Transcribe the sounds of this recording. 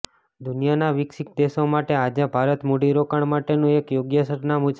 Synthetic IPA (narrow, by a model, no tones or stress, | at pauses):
d̪ʊnijanaʋɪksik̚d̪eʃomaʈead͡ʒabʱaɾət̪moɖiɾokəɳmaʈenũekjoɡjəsəʈnamut͡ʃ